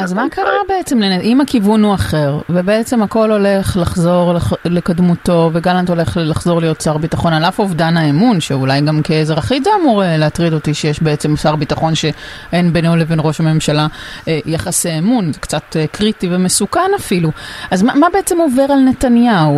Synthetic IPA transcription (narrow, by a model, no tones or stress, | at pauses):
ʔazmakaʁabeet͡semleneʔimakivunuaχe̞ʁvebeet͡semako̞lo̞le̞χlaχzo̞ʁllekadmuto̞veɡalanto̞le̞χlaχzo̞ʁlijo̞t̚t͡saʁbitaχo̞nalafovdanaemunʃeulajɡamkezʁaχizeamuʁeleatʁido̞tiʃejeʃbeet͡semsaʁbitaχo̞nʃe̞ | enbenolevenʁo̞ʃame̞mʃalaejaχasiemunzekt͡satkʁitivemesukanafiluʔazmamabe̞et͡se̞move̞ʁalne̞tanjau